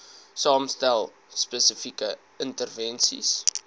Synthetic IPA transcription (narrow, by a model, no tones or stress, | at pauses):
sɑːmstælˠ | spəsəfikə | əntərvɛnsḭs